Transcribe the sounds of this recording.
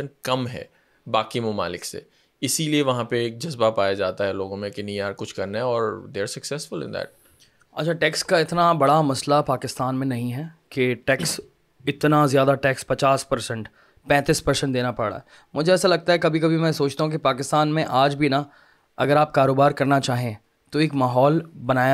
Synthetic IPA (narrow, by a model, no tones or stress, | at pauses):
ənkɐmɦɛ̰ː | baːkimʊma̰ːlɪksḛ | ɪsilieʋɐɦãpeːk̚d͡ʒɐzbapaːjad͡ʒaːt̪aɦɛloːɡõmẽkɪnĩjaːɾkʊt͡ʃʰkɐɾnaɦɛɔːɾd̪eːɾsɐksɛsfʊlɪ̰̃nd̪æ̰ːʈ̚ | ɐ̰tːt͡ʃʰaʈɛːkskaɪt̪nabɐɽamɐslapaːkɪst̪aːnmẽnɐɦĩɦɛːkeʈɛːks | ɪt̪nazjaːd̪aʈɛːkspɐt͡ʃaːspɐɾsə̃ɳʈ | pɛ̃ːt̪ispɐɾsə̃ɳʈd̪eːnapɐɽa̰ɦɛ | mʊd͡ʒʱeɛːsalɐɡ̚t̪aɦɛkɐbʱikɐbʱimɛ̃soːt͡ʃt̪aɦũkipaːkɪst̪aːnmẽʔaːd͡ʒbʱina | ɐ̰ɡəɾaːp̚kaːɾoːbaːɾkɐɾnat͡ʃaːɦẽ | t̪oɪːkmaːɦɔːlbɐnaːja